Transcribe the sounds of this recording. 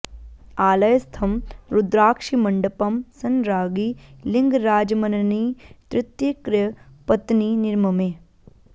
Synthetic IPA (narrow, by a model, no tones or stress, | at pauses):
aːlɐjɐst̪ʰɐmɾud̪ɾaːkʂimɐɳɖɐpɐmsɐnɾaːɡilɪŋɡɾaːd͡ʒɐmɐnɐniːt̪ɾɪt̪jɐkɾjɐpɐt̪niːnɪɾmɐmeː